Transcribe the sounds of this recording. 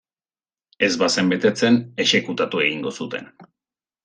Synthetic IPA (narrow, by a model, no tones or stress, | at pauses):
e̞zβase̞mbe̞t̪e̞t͡se̞ne̞ʃe̞kut̪at̪ue̞ɣiŋɡo̞sut̪e̞̰n